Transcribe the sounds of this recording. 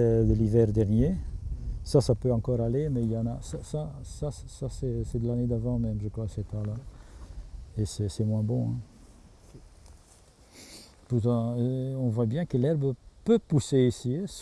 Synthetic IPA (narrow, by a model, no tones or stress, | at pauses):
d̪əlivɛʁd̪ɛʁnje | sasapøɑ̃kɔʁalemɛiljɑ̃nasasasassasɛsɛd̪əlaned̪avɑ̃mɛmʒəkχwasɛt̪ãla | esɛsɛmwɛ̃bɔ̃ɛ̰̃ | put̪ɑ̃øɔ̃vwabjɛ̃kəlɛʁbəpøpuseisis